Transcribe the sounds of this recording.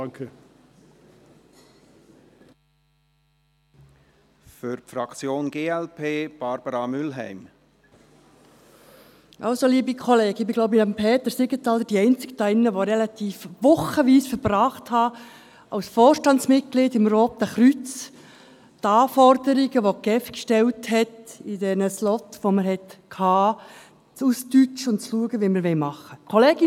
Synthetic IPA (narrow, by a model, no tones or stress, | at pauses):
kʰə | fʏɾfɾɑkt͡sjoːnɡeːɛlpʰeːb̥ɑɾb̥əɾɑmʏlɦɛ̰ɪm | ʔɑʊsoliːbikʰɔleːɡɪbɪɡloʊbinɑmpʰeːt̪əɾsɪɡətɑlːədiɛɪnt͡sɪ̥ktɑɪnːəʋoɾɛlɑt̪iːfʋʊχəʋiːsfəɾbrɑːχthɑ | ɑʊsfoːrʃtɑnsmɪt̚kliːdɪmɾoːp̚d̥̪æχɾyt͡s | tɑːfɔrdəɾiɡəʋokɛfkʃtɛlthɛtidɛnəslɔtʋoməɾhɛtkʰhɑː | t͡sustyt͡ʃʊntt͡sluəɡəʋiməɾʋɛlmɑχːəkʰɔleːɡɪ